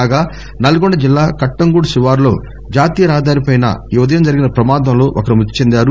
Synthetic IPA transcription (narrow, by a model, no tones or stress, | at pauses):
aːɡaː | nɐluɡoɳɖɐd͡ʒilːaːkɐʈːɐŋɡuːɽusiʋaːɾlo̞̰ː | d͡ʒaːt̪iːjɐɾaːɦɐd̪aːɾipɐjnɐ̰iʋɐd̪ɐjɐmd͡ʒɐɾiɡinɐpɾɐmaːd̪ɐmlo̞ːʔokɐɾimut̪ːi̥t͡ʃend̪aːɾu